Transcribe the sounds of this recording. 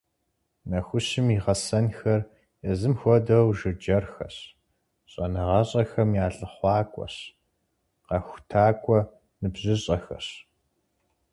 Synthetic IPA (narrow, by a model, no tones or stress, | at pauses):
nɐxʷʊɕɪmiʁɐsɐnxɐr | jɛzɨmxʷɔdɐwʒɨd͡ʒɐrxɐɕ | ɕʼɐnɨʁɐɕʼɐxɐmjaːɬʼɨχʷɑːkʷʼɔ̰ɕ | qɐxʷtʰaːkʷʼɔ | nɨbʑɨɕʼɐxɐ̰ɕ